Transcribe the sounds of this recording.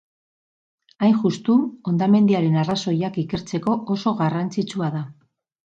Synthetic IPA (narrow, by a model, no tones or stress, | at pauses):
ajnʝust̪uo̞nd̪ame̞nd̪iaɾe̞naraso̞jakike̞ɾt͡se̞ko̞ʔoso̞ɣarant͡sit͡suaða